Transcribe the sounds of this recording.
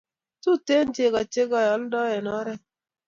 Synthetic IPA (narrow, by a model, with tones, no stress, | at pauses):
tu˦te˦n˦t͡ʃe˨ɡa˨t͡ʃe˦ɡɔ˨jɔ˨˦ldɔ˦ɛ˨nɔ˦ɾɛ˦